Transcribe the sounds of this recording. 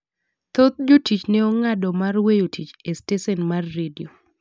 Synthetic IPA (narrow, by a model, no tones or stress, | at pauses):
t̪ot̪̚d͡ʒotit͡ʃneɔŋadɔmarwejotʰit͡ʃestesɛnmarːedio